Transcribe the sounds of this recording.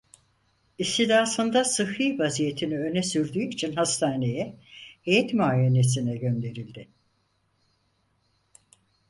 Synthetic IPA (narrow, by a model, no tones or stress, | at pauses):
ist̪id̪aːsɯnd̪asɯhɯjvazije̞t̪ʰiniø̞nɛsyɾd̪yːit͡ʃʰinhast̪ʰaːne̞jɛhejɛt̪maːjene̞s̬inɛɟø̞nd̪e̞ɾilʲd̪ɪ